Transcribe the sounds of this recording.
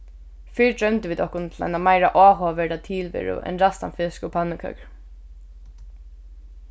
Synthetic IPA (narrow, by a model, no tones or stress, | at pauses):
fiːɹd̪ɹœmnt̪ɪʋiːd̪ɔhkʊnt̪ʰla̰jnamajɾaʔɔːɦɔːʋɛːɾat̪ʰiːlʋɪ̰ɹʊ̰ʔɛ̰nɾast̪a̰nfɪskɔpʰanːəkʰœ̰kɹ